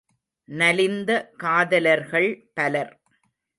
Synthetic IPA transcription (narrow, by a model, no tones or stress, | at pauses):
nɐlɪnd̪ɐkaːðɐlɐɾɣɐɭpɐlɐɾ